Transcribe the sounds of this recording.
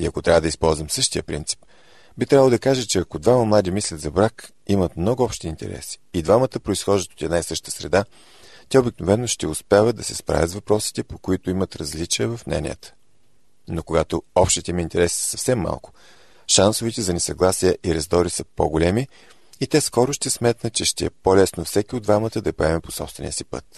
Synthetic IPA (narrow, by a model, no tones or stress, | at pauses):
iɐkot̪ɾʲavəd̪ɐispɔlˠzvɐmsɤʃt̪ijəpɾḭnt̪si̥p̚ | bit̪ɾʲavəlˠod̪ɐkaʒət͡ʃɛɐkod̪vaməmlˠad̪imislʲɐt̪zɐbɾak | imət̪mnɔɡʊɔpʃt̪iːnt̪ɛ̰ɾɛ̰si̥id̪vamət̪əpɾoisxɔʒət̪o̥t̪ɛd̪naisɤʃt̪ə̥sɾɛ̰d̪a | t̪ɛobiknovɛnːoʃt̪ɛʊspavəd̪ɐsɛ̥spɾʔa̰vʲət̪zvɐpɾɔsi̥t̪ɛpo̥koit̪ʊimɐt̪ɾɐzlit͡ʃiɛvɐfmnɛ̰nʲḭə̰t̪ə̥ | nokoɡat̪oɔpʃt̪it̪ɛmiint̪ɛɾɛsi̥sɐfsɛmːa̰lˠkʊ̥ | ʃansʊvɛt̪ɛzɐnɛsɐɡlˠasiɛʔiɾɛzd̪ɔɾisəpo̰ɡolɛmiː | t̪ɛskɔɾʊʃt̪ɛsmɛt̪nət̪t͡ʃɛʃt̪ɛɛpolɛsnofsɛkʲioʊd̪vamət̪əd̪ɐpoɛmɛpo̥sɔ̰pst̪vɛnḭəsipɤ̰t̪̚